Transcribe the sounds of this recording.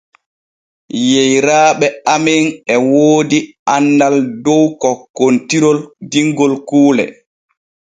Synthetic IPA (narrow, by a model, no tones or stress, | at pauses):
jejɾaːɓɛaminɛwoːdi | anːdaldɔwkɔkontiɾɔldiŋɡɔlkuːlɛ̰